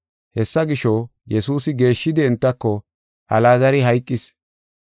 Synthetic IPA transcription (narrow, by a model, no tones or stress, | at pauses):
hɛsːɐɡɪʃɔjɛsuːsɪɡe̞ːʃːɪd̪ɪɪnt̪ːɐkːɔ | ʔɐlaːzɐɾɪɦɐjkʼːɪs